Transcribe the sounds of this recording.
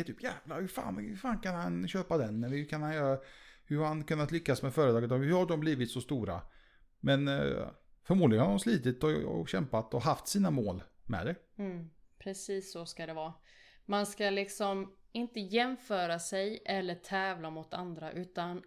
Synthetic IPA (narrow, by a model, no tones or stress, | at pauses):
t̪ʰyːpjɛːvlahɵɾfa̰ːnhɵɾfaːnkanhanɕøːpad̪ɛnːɛhɵkʰanhanjœːɾahɵɾhankɵnːat̪lʏkːasmɛfœːɾət̪ɑːɡət̪ɔmhɵɾhaɖɔmbliːvɪt̪sɔst̪uːɾa̰ | mɛn | fœɾmudlɪɡənhad̪ɔmsliːt̪ɪt̪ɔɔ̰ɕɛmpat̪ɔɦaft̪siːnamoːlmɛ̰d̪ɛ | pʰɾɛsiːsːɔskad̪ɛvɑː | manskalɪksɔm | ɪnt̪əjɛmfœːɾasɛjʔɛlːətʰɛːvlamʊt̪a̰nd̪ɾaʔʉ̟ːt̪an